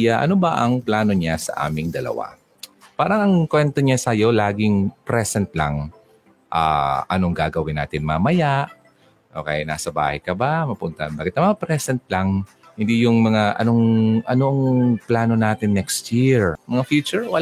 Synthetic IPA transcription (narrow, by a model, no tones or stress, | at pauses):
jaʔɐ̰no̞bɐʔɐŋplaːno̞ɲasɐ̰ʔa̰ːmɪŋd̪ɐlɐ̰wa̰ | paːɾɐŋɐŋkwɛnt̪o̞ɲasɐjo̞laːɡɪŋpɾɛsɛnt̪la̰ŋ | ʔa̰ːʔɐ̰no̞ŋɡaːɡɐwɪna̰ːt̪ɪnmamɐjaʔ | ʔoka̰ːjanaːsɐba̰ːhɐjkɐbamɐpʊnt̪ɐɐnbaːkɪt̪nɐmɐŋapɾɛsɛnt̪̚laŋ | hɪnd̪ijʊŋmɐŋaʔɐ̰no̞ŋʔɐno̞ʔɐŋplaːno̞naːt̪ɪnːɛkst̪jiɹmɐŋafjuːt͡ʃʊɹwɐ